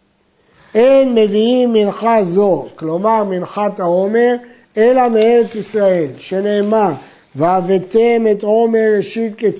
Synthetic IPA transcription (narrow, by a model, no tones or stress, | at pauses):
ʔenme̞viimːinχazo̞klo̞maʁminχat̪aome̞ʁ | e̞lamee̞ʁe̞t͡sisʁae̞lʃe̞ne̞ːma | veavet̪eme̞t̪o̞me̞ʁːeʃit̪̚ke